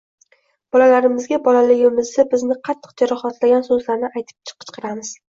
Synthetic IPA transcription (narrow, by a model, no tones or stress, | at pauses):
b̥ɒlalaɾɪmɪzɡʲabɒlalɪɡʲɪmɪzd̪abɪznɪqʰɑt̪ʰːɨ̥q̚d͡ʒaɾɒχat̪laɡʲansɵzlaɾnɪʔajt̪ʰɪ̥p̚t͡ʃʰɨ̥qʰɨ̥t͡ʃqʰɨɾamɪz̥